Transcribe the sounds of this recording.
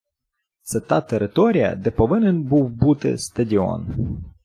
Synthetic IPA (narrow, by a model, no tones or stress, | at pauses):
t̪sɛt̪ɑt̪eɾɪt̪ɔɾʲijɐ̰d̪ɛpɔʋɪnenbuwbut̪ɪ̰st̪ɐdʲiɔ̰n